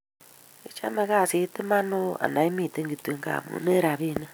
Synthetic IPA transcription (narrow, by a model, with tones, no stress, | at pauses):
i˨t͡ʃa̰˦me˦ka˦˨si˨˦tɪ˦ma˦no˦a̰˨na˨i˦mi˦˨te˦ŋɡi˨twe˦ŋɡa̰˨mṵ˨˦ne˦ɾa˨βi˦ne˦